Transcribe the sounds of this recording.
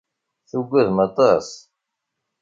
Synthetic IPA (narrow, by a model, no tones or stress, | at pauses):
θuɡʷːæðmət̪ˤɑs